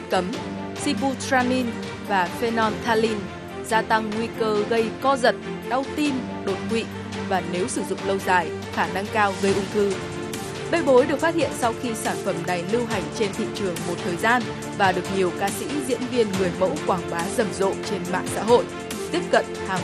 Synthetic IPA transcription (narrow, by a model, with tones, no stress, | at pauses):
kə˨˦m | si˧ɓu˧t̪ɹaː˧ni˧n | vaː˨˩fe˧nɔ˧nt̪ʰaː˧li˧n | zaː˧t̪a˧ŋːwi˧kəː˧ɣə˧jkɔ˧zə˨˩t̚ | ɗa˧wt̪i˧n | ɗo˨˩t̚kwḭ˧˨ | vaː˨˩ne˨˦wsɨ˧˩zʊ̰˧˨ŋ͡mlə˧wza̰ː˧˨j | xaː˧˩na˧ŋkaː˧wɣə˧jʔʊ˧ŋ͡mt̪ʰɨ˧ | ɗə˧jɓo˨˦jɗɨ˨˩ək̚fa˦˥t̚hḭ˧˨ənsa˧wxi˧saː˧˩nfə˧˩mna˨˩jlɨ˧wɦa˨˩jŋ̟t͡ɕe˧nt̪ʰḭ˧˨t͡ɕɨ˨˩əŋmo˨˩t̚t̪ʰəː˨˩jzaː˧n | vaː˨˩ɗɨ˨˩ək̚ɲi˨˩əwkaː˧sḭ˧˥zḭ˧˥ənvi˧ənŋɨ˨˩əjmə̰˧˥wkwaː˧˩ŋɓaː˨˦zə˨˧˩mzo̰˧˨t͡ɕe˧nma̰ː˧˨ŋsa̰ː˧˥ɦo̰˧˨j | t̪i˦˥əp̚kə̰˧˨nhaː˨˩